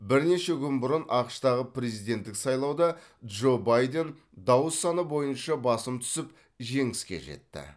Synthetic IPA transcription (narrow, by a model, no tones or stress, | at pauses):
bɪɾne̞ʃe̞kʲʰʏnbʊɾənʔɑqəʃt̪ɑʁəpɾezijd̪e̞nt̪ːɪksɑjlˠɑwd̪ɑd̪ʒo̞bɑjd̪e̞n | d̪ɑwəsːɑnəbo̞jənʃɑbɑsəmt̪ʰʏ̥sɪp | ʒe̞ŋɪskʲe̞̰ʒe̞̰t̪ːɪ̰